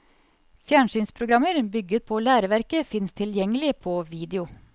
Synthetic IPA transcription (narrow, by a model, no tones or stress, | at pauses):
fjæːɳʂyːnspʰɾʊɡɾɑməɾbʏɡət̪̚pʰoːlæːɾəʋæɾkəfɪnst̪ʰɪljɛŋəlɪpʰoːʋiːd̪ɛʊ